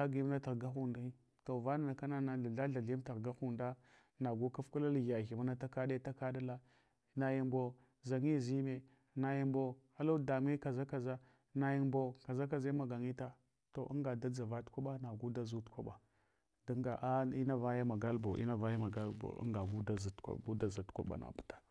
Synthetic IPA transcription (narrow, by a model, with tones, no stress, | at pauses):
a˦ɡi˦m˦na˦ta˨ɣɡa˦xu˨nda˦i˦ | to˨va˦na˨na˨ka˦na˦na˨ɬa˨ɮa˦ɬa˨ɮi˦ta˨ɣɡa˦xu˨nda˦ | na˨ɡu˦ka˦fku˦la˦lɣa˨ɣi˨ma˦na˦ta˦ka˦da˦ta˦ka˦da˦la˦ | na˨ji˦mbo˦ | za˨ŋi˦˨zi˦me˨ | na˨ji˦mbo˦a˦lo˦da˨m˦e˦ka˨za˦ka˨za˦ | na˨ji˦mbo˦ka˨za˦k̬a˨za˦ma˨ɡa˨ŋi˦ta˦ | to˨ʔa̰˦ŋɡa˨da˦d͡za˨va˦tkʷa˦ɓa˦na˨ɡu˦da˦zu˦tkʷa˦ɓa˨ | da˦ŋɡa˨ʔa˦i˦na˦va˦ja˦ma˨ɡa˦lbo˨ʔḭ˦na˦va˦ja˦ma˨ɡa˦lbo̰˨a̰˦ŋɡa˨ɡu˦da˦za˨tkʷa̰˨bu˦da˦za˨tkʷa̰˦ɓa̰˨na̰˨bu̥˨tḁ˦